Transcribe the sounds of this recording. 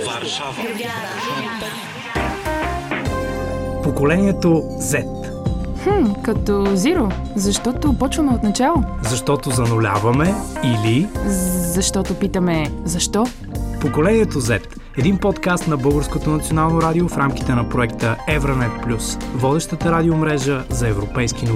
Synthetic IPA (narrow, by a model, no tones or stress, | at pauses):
pokolɛniɛt̪o | zɛt̪ | x̩kɐt̪ɔziɾo | zɐʃt̪ɔt̪opɔt͡ʃvɐmɛot̪nɐt͡ʃalˠozɐʃt̪ɔt̪ozɐnolʲa̰vɐmɛili | zɐʃt̪ɔt̪opit̪əmɛzɐʃt̪ɔ | pokolɛniɛt̪ozɛt̪ | ɛd̪inpɔt̪kast̪nɐbɤlˠɡəɾskot̪onɐt̪sionalˠnoɾad̪iofɾamk̟i̥t̪ɛnɐpɾoɛkt̪əɛvɾənɛt̪̚plʲusvɔd̪ɛʃt̪ət̪əɾad̪iomɾɛʒəzɐɛvɾopɛjskino